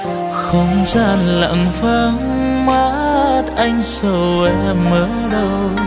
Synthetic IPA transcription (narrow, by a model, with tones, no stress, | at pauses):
xə˧wŋ͡mzaː˧˩nla̰˧˨ŋvaː˧˩ŋ | ma˦˧˦t̚ʔa˧jŋ̟sə˧˩wɛ˧˩məː˨˦ | ɗə˧w